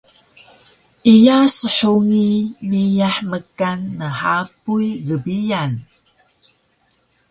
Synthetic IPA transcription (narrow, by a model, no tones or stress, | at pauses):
ʔijasəħuŋimijaħməkanːəħapujɡəbian